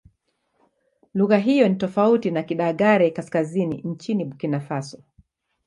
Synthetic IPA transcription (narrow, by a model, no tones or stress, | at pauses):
luɣaɦijɔnitɔfautinakiɗaɣaɾɛkaskazinḭɲ̩t͡ʃiniɓukinafasɔ